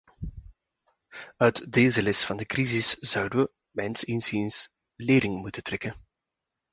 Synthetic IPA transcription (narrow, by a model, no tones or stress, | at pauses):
œɥtdeːzəlɪstfɑndəkrizɪsz̥œwdəʋə | mɛnsinsins | leːɾɪŋmutətɾɛkən